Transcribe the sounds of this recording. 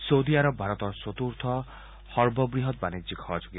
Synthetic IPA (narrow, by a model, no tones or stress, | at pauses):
sowd̪iaɾɔbʱaɾɔt̪ɔɾsot̪uɾt̪ʰɔ | hɔɾbɔbɾiɦɔt̪banid͡ʒikɔɔɔd͡ʒoɡit̪a